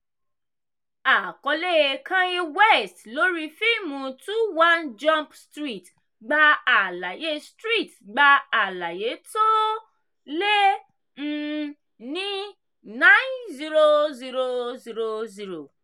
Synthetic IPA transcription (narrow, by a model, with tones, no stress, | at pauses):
a˨kɔ˧le˦kã˦ji˧wɛ˦stlo˨˦ɾi˦fi˦mũ˨tu˦wã˦nd͡ʒã˦mpstɾi˦˨t | ɡ͡ba˧a˨la˨je˨˦stɾi˦˨tɡ͡ba˧a˨la˨je˨˦to˦ | le˦ | n̩˦ | nĩ˦ | nã˦nzi˦ɾo˧zi˧ɾo˧zi˧ɾo˧zi˧ɾo˨